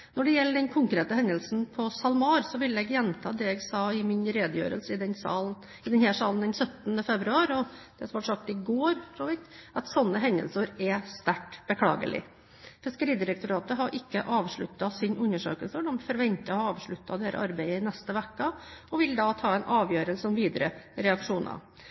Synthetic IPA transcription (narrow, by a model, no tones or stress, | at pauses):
nɔɖɛjɛlːəɖɛnkʰʊŋkɾeːt̪əhɛnd̪əlsnpʰɔsɑlmɑːɾsɔʋɪlːɛɡjɛnt̪ʰɑ̰ːd̪ɛɛɡsɑːɪmɪnɾeːd̪əjø̰ːɾəlsəɪd̪ɛnsɑ | ɪd̪ɛnhæːʂɑːln̩d̪ɛnsœt̪ːnəfɛbɾʉɑːɾɔd̪̥ɛsɔmʋɑʈʂɑk̚t̪ɪɡoːɾt̪ʰɾoːʋɪt̪ɑt̪sɔnːəɦɛnd̪ə̰lsəɾɛst̪æʈːb̥əkʰlɑ̰ːɡə̰lʔɪ̰ | fɪskəɾiːd̪ɪɾəkt̪ʊɾɑːt̪əɦɑɾʔɪkːəʔɑːʋʂɭʉt̪ːɑsɪnʔʉnːəʂø̰ːkəlsəɖ̪ɔmfɔɾʋɛnt̪ːəhɑɾɑːʋʂɭʉt̪ːɑd̪eːɾə̰ʔɑɾbæɪəɪnɛst̪əʋɛkːəɔʋɪld̪ɑt̪ʰɑːɛɪnʔɑːʋjøːɾəlsəɔmʋiːd̪əɾə̰ɾɛɑkʂuːnɑ̰